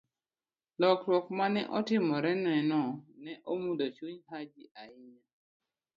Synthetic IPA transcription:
lɔkɾwɔkmanɛ̰ʔɔtɪmɔɾɛnɛnɔnɛʔomudot͡ʃuɲɦad͡ʒiʔaɪɲa

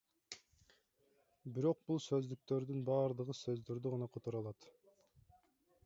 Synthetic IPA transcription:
biɾo̞q̚bulˠsø̞zd̪yk̚t̪ø̞ɾd̪ynbɑːɾd̪ɯʁɯsø̞zd̪øɾd̪yʁɑnɑqʰot̪uɾɑlˠɑt̪

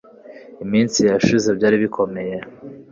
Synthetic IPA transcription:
imiːnsijaʃizebɟaːɾiβikʰo̞me̞je̞

